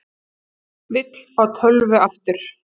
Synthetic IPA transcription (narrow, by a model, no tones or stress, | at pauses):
vɪt̪l̥kaːwt̪ʰœlvʏaft̪ɪɾ̥